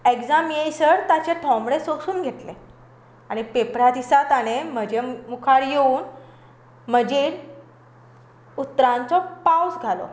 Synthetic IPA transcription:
ekd͡zamjejsəɾt̪at͡ɕeʈʰɔ̃mbɽesosuːnɡʱeʈle | aɽ̃ipepɾad̪isat̪aɽ̃em̤əd͡ʑemukʰaɽjeuːn | m̤əd͡ʑeɾ | ut̪ɾãnt͡sɔpawsɡʱalɔ̰

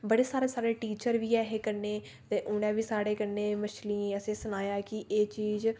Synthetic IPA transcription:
bəɽeːsaːɾeːsaːɾeːʈiːt͡ʃəɾʋiːɛːɦeːkəɾneː | t̪eːʔʊñɛ̃ːʋiːsaːɽeːkənẽːməʃliəsẽːsʊnaːjaːkɪʔeːt͡ʃiːz

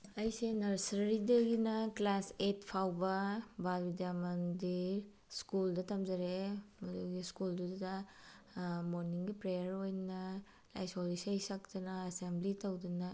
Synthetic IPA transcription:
ɐjsenɐɾsɾɐɾidɐɡinɐklasetpʰawbɐbalbidjamɐndiɾ | skuldɐtɐmd͡ʒɐɾemɐduɡiskuldudɐdɐ | moɾniŋɡipɾejɐɾojnɐ | la̰jsolisɐjsɐk̚tɐnɐɐsemblitɐwdinɐ

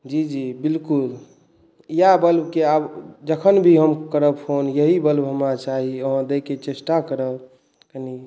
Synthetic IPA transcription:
d͡ʒid͡ʒibilkul | ijabəlbʱkeabd͡ʒəkʰənbʱiɦəmkəɾəpʰonjəɦibəlbɦəmɾat͡ʃaɦioɦə̃d̪eket͡ʃesʈakəɾəb | kəni

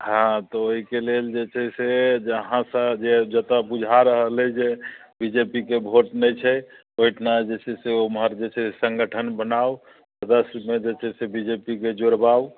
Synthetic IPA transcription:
ɦãt̪ɔoɦikeleld͡ʒet͡ʃʰɛsed͡ʒəɦãsəd͡ʒed͡ʒət̪əbud͡ʒʱaɾəɦəlɛd͡ʒebid͡ʒepikebʱoʈnɛjt͡ʃʰɛ | ojʈʰnad͡ʒet͡ʃʰɛseomɦəɾd͡ʒet͡ʃʰɛsə̃ŋɡəʈʰənbənao | səd̪əsmed͡ʒet͡ʃʰɛsebid͡ʒepiked͡ʒoɾbaw

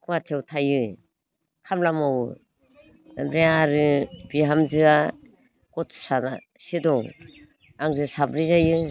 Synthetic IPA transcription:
kʰuwatʰewtʰajɯ | kʰamlamaw | mɾeaɾɯb̥iɦamzɯa | kɔtʰsana | sidɔŋ | aŋzɯsabɾizajɯ

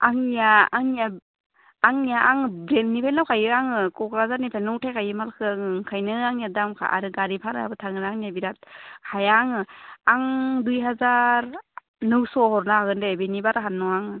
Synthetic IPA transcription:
aŋijaaŋjaː | ŋjaʔaŋbɾennipʰajnawkʰajɯaŋɯkɔkɾazaɾnipʰajnuwtʰajkʰajɯmalkʰɯaŋŋkʰajnɯaŋjadamkʰa̰ʔa̰ɾɯɡaɾipʰaɾa̰a̰bɯtʰaŋɯɾaŋnijabiɾat̚kʰajaŋɯaŋdujɦazaɾ | nɯwsɔhɔɾnaaɡɯndebenibaɾaɦanːɔŋaŋɯ

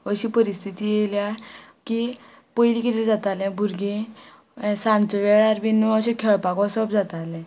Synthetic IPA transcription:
əɕipəɾist̪ʰit̪iːjeljaki | pəjilikit̪ed͡zat̪alɛ̃bʱuɾɡẽ | sãnt͡sɔʋeɭaɾbinːuəɕẽkʰeɭpakɔsəbd͡zat̪alɛ̃

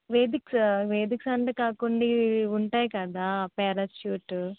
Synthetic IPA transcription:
ʋeːd̪iksʋeːd̪iksɐɳʈekaːkuɳɖiuɳʈaːjkaːd̪aːpɛːɾɐsjuːʈ

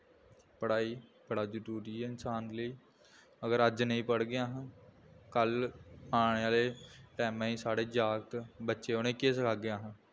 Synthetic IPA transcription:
pəɽaːiːpəɽaːd͡ʒəɾuːɾiːɛːɪnsaːnd̪ləiː | əɡəɾəd͡ʒnəĩːpəɽɡɪãːɦə̃ː | kəlaːɽ̃eaːleːʈɛːmãːĩːsaːɽeːd͡ʒaːɡt̪bətːʃeːonẽːkeːs̬əkʰaːɡeãːɦãː

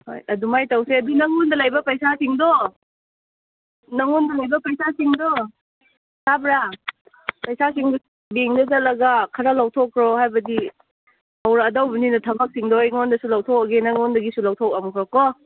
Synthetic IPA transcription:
ho̰jɐdumajtawseɐdunɐŋundɐlajbɐpɐjsasiŋdɔ | nɐŋundɐlajbɐpɐjsasiŋdɔ | sabɾa | pɐjsasiŋd | beŋnɐzɐlɐɡakʰɐɾalawtʰɔkʰːɾɔhajbɐdi | awɾaːdawbɐninɐtʰɐbak̚siŋdɔjŋɔndɐsulawtʰɔk̚ɐɡenɐŋɔndɐɡisulawtʰɔk̚ɐmkʰɾɔkɔ

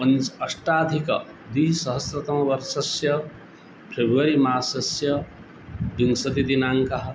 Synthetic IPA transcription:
ʌnt͡sɐsʈaːd̪ʱikʌ̰ | d̪isʌɦʌsɾɐt̪ɐmɐbʌɾsɐsjʌ | pʰɾebʋɐɾimaːsɐsjʌ | biŋsɐd̪id̪inaŋkaɦ

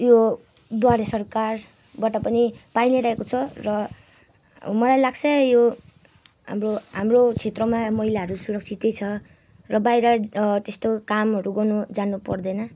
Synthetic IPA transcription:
jo | d̪waɾesʌrkar | baʈapʌnipajneɾaɦekot͡sʰʌrʌ | mʌlajlaɡt͡sʰʌjo | ɦa̰mroɦamrot͡sʰet̪rʌmamʌɦilaɦʌɾusuɾʌk̚t͡sʰit̪ejt͡sʰʌ | rʌbajɾʌt̪est̪okamɦʌɾuɡʌnud͡zanupʌ̰rd̪ʌnʌ

